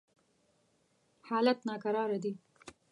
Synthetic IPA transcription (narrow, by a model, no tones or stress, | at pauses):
hɑːlat̪nɑkaɾɑɾad̪i